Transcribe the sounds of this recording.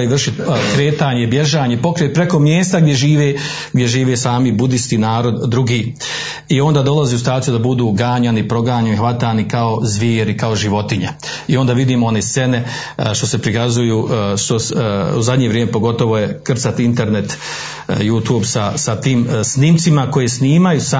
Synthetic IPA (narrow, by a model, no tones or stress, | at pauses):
iʋr̩ʃit̪kɾe̞ːt̪aːɲebje̞ʒaːɲepo̞kɾeːt̪̚pɾe̞ko̞mjeːst̪aɡd̪jeʒiːʋeː | ɡd̪ʲje̞ʒiːʋeːsaːmibud̪ist̪inaːɾo̞d̪ːɾuɡiː | io̞nd̪aːd̪o̞lazeusit̪aːt̪ijud̪abud̪uːɡaːɲanipɾo̞ɡaːɲaniɦʋat̪aːnikao̞zʋjiːɾikao̞ʒiʋo̞t̪iɲe | io̞nd̪aːʋid̪iːmoo̞ne̞ːst̪se̞ne̞ | ʃt̪o̞se̞pɾikazujuːʃt̪o̞suzad̪ɲe̞ʋɾʲjeːmepo̞ɡo̞t̪o̞ʋo̞je̞kr̩t̪sat̪int̪e̞ɾne̞t̪ | juːt̪ubsasat̪iːmsnimt̪simako̞jesniːmajusa